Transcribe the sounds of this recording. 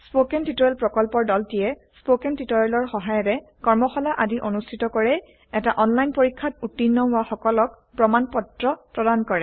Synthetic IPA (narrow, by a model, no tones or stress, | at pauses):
spokɛntitɔɹɛlpɹɔkɔlpɔɹdɔltijɛ | spokɛntitɔɹɛlɔɹxɔɦajɔtɛkɔɹmɔxɔlaʔadiʔonustʰitɔkɔɹɛ | ɛtaʔɔnlajnpoɹikʰːatutːinːɔaxɔkɔlɔk̚ | pɹɔmanpɔtɹɔpɹɔdankɔɹɛ